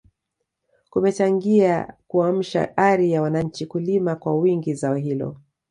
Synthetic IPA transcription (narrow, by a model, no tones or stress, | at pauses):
kumɛt͡ʃaŋɡia̰kuam̩ʃa̰ʔaɾijawanaɲ̩t͡ʃikulimakwawiŋɡizaɔɦilɔ̰